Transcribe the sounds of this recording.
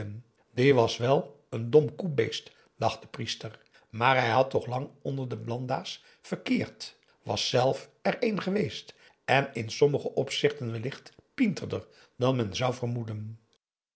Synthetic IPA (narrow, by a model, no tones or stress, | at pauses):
n | dɪʋɑsʋɛlˠ | əndɔmkubejst | d̥ɑχd̥əpristər | maːɹɦɛjɦɑtːɔχlɑŋɔndəɹdəblɑndaːs | fəɹkɪːɹt | ʋɑ̰sːɛlˠfɛrejnχəʋejst | ʔɛnɪnsɔməχəʔɔpsɪχtənʋɛlɪχtpintərdə̰r | dɑnmɛnzʌwvərmudən